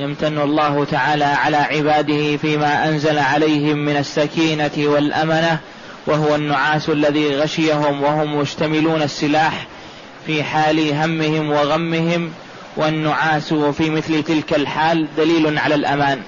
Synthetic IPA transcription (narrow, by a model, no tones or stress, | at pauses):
jamt̪anːʊlˤːɑːhʊt̪aʕaːlaːʕalaːʕɪbaːd̪ɪhɪfiːmaːʔanzalaʕalajhɪmːɪnasːakiːnawalʔa̰mana | waɦʊwanːʊʕaːsʔalːaðiːɣaʃɪjaɦʊmwahʊmjʊd͡ʒt̪amɪluːnasˤːɪlaːħ | fiːħaːlɪɦamːɪhɪmwaɣamːɪhɪm | wanːʊʕaːsfiːmɪθlɪt̪ɪlkalħaːld̪aliːlʊnʕalalʔamaːn